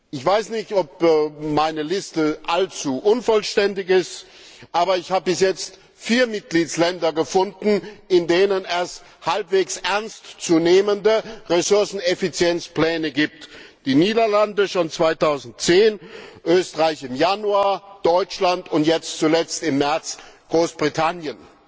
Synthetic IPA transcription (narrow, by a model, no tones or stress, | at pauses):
ʔɪçv̥aɪsnɪçtɔp̚ːmaɪnəlɪstəʔalt͡suːʔʊnfɔlʃtɛndɪçɪst | ʔaːbɐɪçhaːbəbɪsjɛt͡st | fiːɐmɪt̚ɡ̥liːtslɛndɐɡəfʊndn̩ɪndeːnənɛs | halpv̥eːksʔɛɐnstt͡suːneːməndəʁesʊɐsn̩efit͡sjɛnt͡spl̥ɛːnəɡiːp̚td̥iːniːdɐlandəʃont͡sv̥aɪtaʊzn̩tt͡seːnʔøːstəʁaɪçɪmjanuaːɐd̥ɔʏt͡ʃlantʊntjɛt͡stt͡sulɛt͡stɪmːɛɐt͡sɡ̥ʁoːsb̥ʁitʰanjən